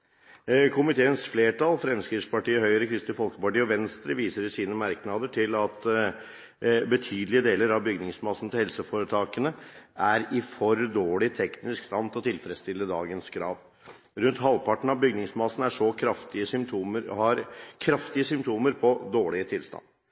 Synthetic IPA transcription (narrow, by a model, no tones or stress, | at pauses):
kʰʊmɪt̪ʰeːənsfleːʈʰɑlfɾɛmskɾɪspɑʈiːəhœʏɾəkʰɾɪst̪ɪfɔlkəpɑʈiːɔʋɛnst̪ɾəʋiːsəɾɪsiːnəmæɾknɑd̪əʈʰɪlɑt̪ | bət̪ʰyːd̪lɪəd̪eːləɾɑʋbʏɡnɪŋsmɑsn̩t̪ʰɪlhɛlsəfoːɾət̪ʰɑːkənəæɾɪfɔɾd̪oːɭɪt̪ʰɛknɪskst̪ɑnd̪ʰɔt̪ʰɪlfɾɛst̪ɪlːəd̪ɑ̰ːɡənskʰɾɑ̰ːʋ | ɾʉnt̪ɦɑlpʰɑʈːɳ̩ɑʋbʏɡnɪŋsmɑsn̩æʂɔkʰɾɑft̪ɪəsʏmt̪ʰuːməhɑɾkʰɾɑft̪ɪəsʏmpt̪ʰuːməɾpʰɔd̪oːɭɪət̪ʰɪlst̪ɑ̰nd̪